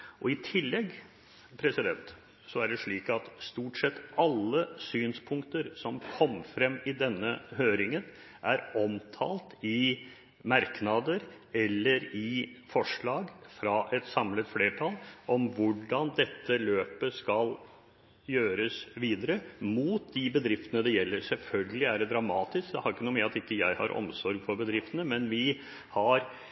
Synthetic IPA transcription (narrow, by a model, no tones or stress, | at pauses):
ʔɔɪt̪ʰɪlːɛɡː | pʰɾɛsɪd̪ɛnt̪ | sɔæɖɛʂɭiːkɑt̪st̪uːʈsɛt̪ːɑlːəsyːnspʰʊŋkt̪əɾsɔmkʰɔmːfɾɛmːɪd̪ɛnːəɦøːɾɪŋən | ʔæɾɔmt̪ʰɑ̰ːlt̪ɪ | mɑɾknɑd̪əɾ | ɛlːəɾɪfɔʂɭɑːɡfɾɑʔɛt̪sɑmlət̪fleːʈʰɑlɔmʋʊɖɑnd̪ɛt̪ːəløːpəskɑl | jøːɾəsʋiːd̪əɾəmuːt̪̚d̪ɪbəd̪ɾɪft̪ənəd̪ɛjɛlːəɾsɛlfœlɡəlɪæɖɛd̪ɾɑmɑːt̪ɪskd̪ɛhɑɾɪkːənʊmiːɾɑt̪ɪkːəjæɪhɑ̰ɾʔɔ̰msɔɾɡfɔɾbəd̪ɾɪft̪ənəmɛnʋɪ | hɑɾ